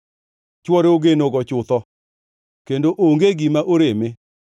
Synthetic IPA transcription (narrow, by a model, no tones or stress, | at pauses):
t͡ʃwɔɾeoɡenoɡɔt͡ʃʊt̪ɔ | kendoʔoŋɡeɡimaʔoɾeme